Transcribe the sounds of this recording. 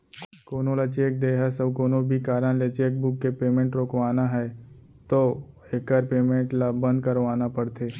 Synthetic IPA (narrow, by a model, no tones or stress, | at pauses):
koːnõlat͡ʃeːk̚d̪eːɦəsɐbkoːnobʱikaːɾənlet͡ʃeːk̚bʊkːepeːmẽɳʈɾoːkʋaːnaɦɛ | t̪o | ekəɾpeːmẽɳʈlabə̃nd̪̚kəɾʋaːnapɐɽt̪ʰeː